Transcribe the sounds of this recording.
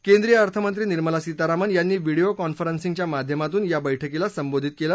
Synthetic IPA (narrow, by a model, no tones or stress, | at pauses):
kend̪ɾijəəɾt̪ʰəmənt̪ɾiːniɾməlasit̪aɾamənjanːiːʋiɽijokɔnfəɾənsĩŋt͡ɕjamad̪ʱjəmat̪uːnjabəjʈʰəkilasəmbod̪ʱit̪̚kela